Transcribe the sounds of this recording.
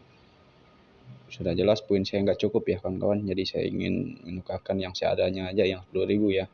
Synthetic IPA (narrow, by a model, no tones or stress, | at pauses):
sudahd͡ʒəlaspuɪnsajaŋɡaʔt͡ʃukʊpjakanka̰wand͡ʒadisaja̰ḭŋɪ̰nmənukahkanjaŋsəa̰daɲaːd͡ʒajaŋduaɾibuja